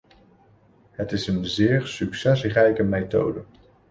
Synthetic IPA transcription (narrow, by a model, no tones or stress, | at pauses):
ɦətɪsənzɪːɹsyksɛsrɛjkəmejto̰wdə